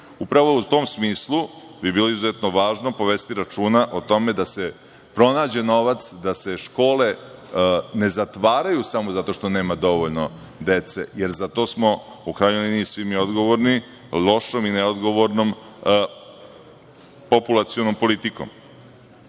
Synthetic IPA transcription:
upɾaʋo̞ut̪o̞msmiːslˠu | bibiːlˠoizuzet̪noʋaːʒnopoʋest̪iɾat͡ʃuːnaʔot̪o̞me̞d̪ase̞ | pɾo̞naːd͡ʑe̞no̞ʋat̪sd̪ase̞ʃko̞ːle̞ | ne̞zat̪ʋaːɾajusamozat̪o̞ʃt̪o̞ne̞ːmad̪o̞ʋoʎno | d̪e̞t̪se̞̰jeɾzat̪o̞smo̞ | ukɾaːjɲoliniisʋimiod̪ɡo̞ʋoɾni | lˠo̞ʃomineod̪ɡo̞ʋoɾnom | populˠat̪sijonompo̞lit̪iko̰m

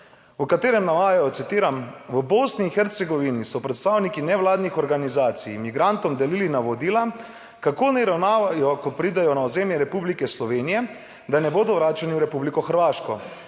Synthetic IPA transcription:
ukat̪eːɾɛmnaʋaːjajɔt̪sit̪iːɾamʋəbosniːxɛɾt̪sɛɡɔʋinisɔpɾɛt̪st̪aːwnikinɛʋlaːd̪nixɔɾɡanizaːt̪sijmiɡɾant̪ɔmd̪ɛlilinaʋɔd̪iːla | kakoːnɛɾawnaːʋajɔkɔpɾid̪ajɔnaɔzeːmjɛɾɛpublikɛslɔʋeːnijɛ | d̪anɛboːd̪ɔʋɾaːt͡ʃaniwɾɛpublikɔxəɾʋaːʃkɔ

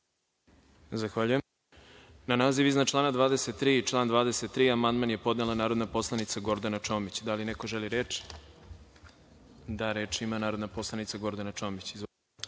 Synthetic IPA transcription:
zaxʋaʎuje | nanaːziʋiznat͡ʃlˠaːnad̪vaːd̪ese̞t̪ːɾiːt͡ʃlˠaːnd̪ʋaːd̪eset̪ːɾiːamand̪manje̞po̞d̪nelˠanaːɾo̞d̪napo̞slˠanit̪saɡo̞ɾd̪anat͡ʂoːmit͡ɕd̪alineko̞ʒeliɾeːt͡ʃ | d̪aɾe̞ːt͡ʃimanaːɾod̪napo̞slˠanit̪saɡo̞ɾd̪anat͡ʃoːmit͡ɕiz

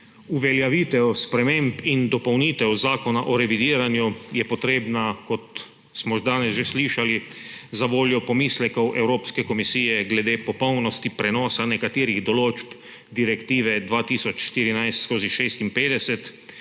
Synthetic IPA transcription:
uʋɛljaʋiːt̪ɛwspɾɛmempind̪ɔpɔwniːt̪ɛwzaːkɔnaʔɔɾɛʋid̪iːɾanjujɛpɔt̪ɾeːbnakɔt̪ | smɔʒd̪aːnɛsʒɛsliːʃalizaʋoːljɔpɔmiːslɛkɐwʔɛwɾoːpskɛkɔmisiːjɛɡlɛd̪eːpɔpɔwnɔst̪ipɾɛnɔːsanɛkat̪iːɾiɣd̪ɔloːd͡ʒb | d̪iɾɛkt̪iːʋɛd̪ʋaːt̪iːsɔt͡ʃʃt̪iːɾinajst̪skoːziʃeːst̪impeːd̪ɛsɛt̪

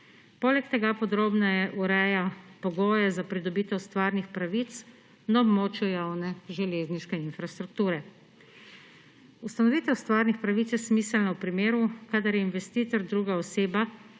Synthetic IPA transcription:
poːlɛkt̪ɛɡapɔd̪ɾoːbnɛjɛʔuɾɛjapɔɡoːjɛzapɾid̪ɔbiːt̪ɛwst̪ʋaːɾnixpɾaʋiːt̪s | naɔbmoːt͡ʃjujawnɛʒɛleːzniʃkɛinfɾast̪ɾuk̚t̪uːɾɛ | ust̪anɔʋiːt̪ɛwst̪ʋaːɾnixpɾaʋit̪sjɛsmiːsɛlnawpɾimeːɾukad̪aɾjɛinʋɛst̪iːt̪ɔɾd̪ɾuːɡaɔseːba

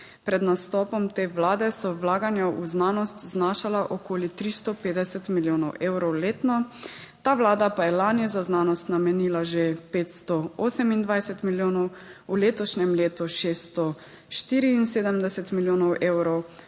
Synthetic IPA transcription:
pɾɛd̪nast̪ɔːpɔmt̪eːʋlaːd̪ɛsɔwlaːɡanjaʔuznaːnɔst̪znaːʃalaʔɔkoːlit̪ɾist̪ɔpeːd̪ɛsɛt̪miljoːnɔwʔeːwɾɔwleːt̪nɔt̪aːʋlaːd̪apajɛlaːnjɛzaznaːnɔst̪namɛniːlaʒepeːt̪st̪ɔɔːsɛmind̪ʋajsɛt̪miljoːnɔwuleːt̪ɔʃnʲɛmleːt̪uʃeːst̪ɔ | ʃt̪iːɾiːnseːd̪ɛmd̪ɛsɛt̪miljoːnɔwʔeːwɾɔw

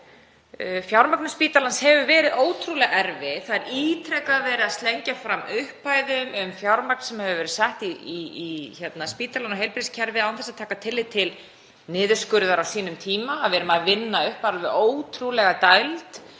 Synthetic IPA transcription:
fjawɾmaknʏspiːt̪alanshɛvʏvɛːɾɪðoːwt̪ʰɾulɛɣɛɾvɪθaðɛɾiːt̪ʰɾɛkaðvɛːɾɪaðst̪lɛɲcafɾamːʏhpːaːjðʏmʏmfjawɾmakn̥sɛmhɛvʏvɛːɾɪsɛht̪iiçɛt̪naspiːt̪alanɔɦejlpɾɪscʰɛɾvɪðawθɛsaðt̪ʰaːkat̪ʰɪlːɪt̪ʰɪl | nɪːðʏ̥skʏɾðaɾawsiːnʏmt̪ʰiːmaːðvɛːɾʏmaðvɪnːaʏhpaɾalvɪðoːwt̪ʰɾulɛɣat̪ajlt̪

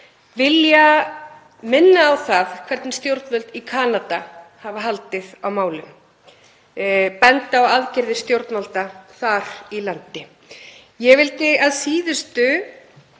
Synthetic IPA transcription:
vɪlja | mɪnːaːwθaðkʰv̥ɛɾt̪nɪst̪jowɾt̪nvœlt̪ikʰaːnat̪ahavaɦalt̪ɪðawmaːwlʏ̰m | pɛnt̪aːwaðcɪɾðɪ̥st̪jowɾt̪nvalt̪aθaɾ̥ilant̪ɪ | jɛvɪlt̪ɪaðsiːðʏst̪ʏ

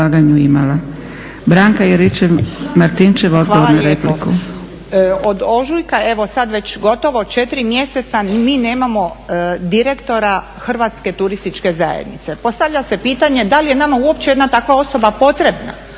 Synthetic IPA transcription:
aːɡaɲuimala | bɾaŋkajeɾit͡ʃemaɾt̪int͡ʃeʋo̞d̪oonaɾepliku | od̪o̞ʒujkae̞ʋo̞sad̪ʋe̞t͡ɕɡo̞t̪o̞ʋo̞t͡ʃe̞t̪iɾimje̞se̞t̪samiːne̞ːmamo̞d̪iɾe̞kt̪o̞ɾa | xr̩ʋat̪ske̞t̪uɾist̪it͡ʃke̞zajḛd̪nḭt̪se̞po̞st̪aʋʎase̞piːt̪aɲe̞d̪alijenamauo̞p̚t͡ɕejed̪nat̪akʋao̞so̞bapo̞t̪ɾe̞bna̰

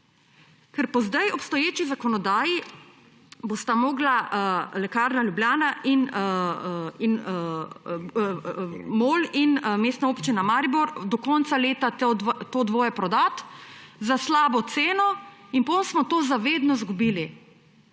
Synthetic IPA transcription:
kɛɾpɔzd̪ajɔpst̪ɔjeːt͡ʃizakɔnɔd̪aːji | bost̪amoːɡlalɛkaːɾnaljubljaːnaʔin | in | moːlinmeːst̪naoːpt͡ʃinamaːɾibɔɾd̪ɔkɔnt̪saleːt̪at̪oːd̪ʋoːjɛpɾɔd̪at̪zaslaːbɔt̪seːnɔinpɔnsmɔt̪oːzaʋeːd̪nɔzɡubiːli

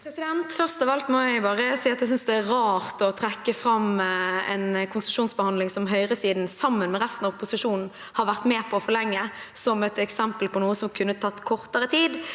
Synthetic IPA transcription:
pʰɾɛsɪd̪ɛnt̪fœʁst̪ɑʋɑlt̪mɔæɪbɑːʁəsiːɑt̪d̪ɛsʏnsd̪ɛæɾɑːʁt̪ɔt̪ʰʁɛkːəfɾɑmɛ̰nkʰʊnsəʂuːnsbəhɑnd̪lɪŋsɔmɦœʏʁəsiːd̪nsɑmːənmɛʁæst̪nɑʋɔpʊsɪʂuːnn̩ | hɑɾʋæʁt̪mɛːpʰɔːfɔʁlɛŋːə | sɔmɛt̪ɛksɛmpəlpʰɔnuːəsɔmkʰʉnːət̪ʰɑt̪ːkʰɔʁt̪əʁət̪ʰiːd̪

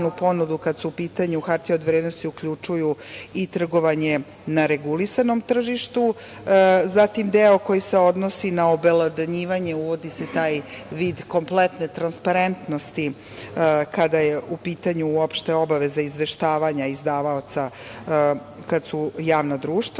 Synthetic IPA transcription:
nupo̞nud̪ukad̪suupiːt̪aɲuxaɾt̪iod̪ʋɾeːd̪no̞st̪iukʎut͡ʂujuit̪r̩ɡo̞ʋaɲe̞ | naɾe̞ɡulisano̞mt̪r̩ʒiʃt̪u | zat̪imd̪eoko̞jise̞o̞d̪nosinaobelad̪aɲiːʋaɲe̞uʋo̞d̪ise̞t̪aːj | ʋiːd̪ko̞mplˠet̪net̪ɾanspaɾe̞nt̪no̞st̪i | kad̪ajeʔupiːt̪aɲuuo̞pʃt̪e̞o̞baʋe̞zaizʋe̞ʃt̪aːʋaɲaizd̪aːʋaot̪sa | kad̪sujaːʋnad̪ɾuːʃt̪

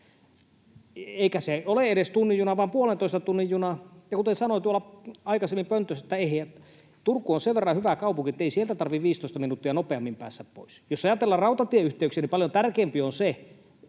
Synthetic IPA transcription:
eikæseoleeɾest̪unːijunɑʋɑˑːmpuolent̪oˑist̪ɑt̪unːijjunɑjɑkut̪esɑnoit̪uolɑɑikɑsemːimpønt̪øset̪ːæeeˑæ | t̪urkːˑuonseʋʋerːɑhyʋækɑupuŋkiet̪ːeisielt̪æt̪ɑrʋiʋʋiːst̪oist̪ɑminut̪ːiɑnopeɑmːimpæ̰ːsːæppo̰isjosɑjɑt̪elːɑrrɑˑut̪ɑt̪ieyht̪eyksiænipɑljont̪ærkeːmpionse

